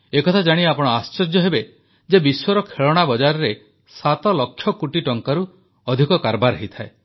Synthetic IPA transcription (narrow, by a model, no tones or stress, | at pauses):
ekɔt̪ʰad͡ʒaɽ̃iapɔɽ̃ɔast͡ʃɔd͡ʒjɔɦebe | d͡ʒebiswɔɾɔkʰeɭɔɽ̃abɔd͡ʒaɾɔɾe | sat̪ɔlɔkʰːjɔkuʈiʈɔŋkaɾu | ɔd̪ʱikɔkaɾbaɾɔɦit̪ʰae